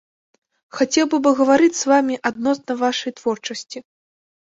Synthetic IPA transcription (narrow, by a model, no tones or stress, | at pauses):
xat͡sʲɛwbɨbɨɣɐvaɾɨt͡sʲzvamʲiʔad̪̚nɔsnɐvaʂɐjt̪v̥ɔrt͡ʂɐsʲt͡sʲi